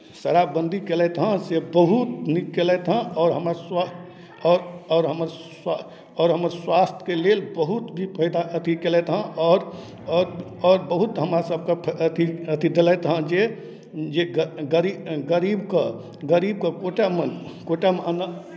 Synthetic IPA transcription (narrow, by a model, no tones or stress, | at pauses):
səɾabə̃nd̪ʱikɛlɛt̪ɦə̃sebəɦut̪nikːelɛt̪ɦə̃ɔːɾɦəmaswa | ɔɾɔːɾɦəməɾ | ɔːɾɦəməɾswast̪ʰkelelbəɦut̪bʱipʰəid̪aʔət̪ʰikelɛt̪ɦə̃ʔɔːɾ | ɔɾɔːɾbəɦut̪ɦəmɾasəb̚ʱkepʰət̪ʰiət̪ʰid̪elɛt̪ɦə̃d͡ʒe | d͡ʒeɡəɡəɾiɡəɾibkə | ɡəɾib̚kəkoʈamənkoʈaməna